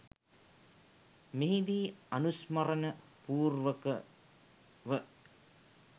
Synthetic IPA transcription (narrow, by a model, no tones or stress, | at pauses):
meɦid̪iːɐnusmɐɾənə | puːrʋəkə | ʋə